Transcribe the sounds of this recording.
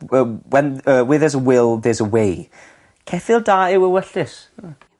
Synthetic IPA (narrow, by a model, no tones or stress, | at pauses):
əwɛnəwɪðəzəwɪlˠðɛzəwej | kʰɛfɪlˠdaːɪwəwəɬɪs